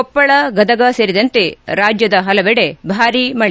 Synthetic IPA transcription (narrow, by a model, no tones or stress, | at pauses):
ɔpːɐɭɐɡɐd̪ɐɡɐseːɾid̪ɐnt̪e̞ɾaːd͡ʒjɐd̪ɐɦɐlɐʋɛɽebʱaːɾimɐɭ